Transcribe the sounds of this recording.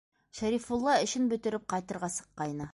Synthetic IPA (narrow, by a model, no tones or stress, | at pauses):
ʃæɾifulˠːɑɵ̆ɕɘnbɵ̆t̪ɘ̆ɾɘp̚qɑjt̪ɤ̆ɾʁɑsɤ̥̆qːɑjnɤ